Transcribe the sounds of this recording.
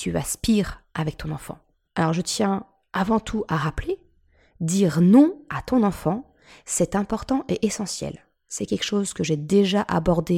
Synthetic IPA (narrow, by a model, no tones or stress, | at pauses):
t̪yaspiʁʔavɛk̚t̪ʰɔ̃nɑ̃fɑ̰̃ | alɔʁʒət̪jɛ̃ | avɑ̃t̪ʰuʔaʁaple | d̪iʁnɔ̃at̪ɔ̃nɑ̃fɑ̃ | sɛt̪ɛ̃pɔʁt̪ɑ̃ʔeʔesɑ̃sjɛ̰l | sɛkʲɛlkʃozkəʒed̪eʒaʔa̰bɔʁd̪e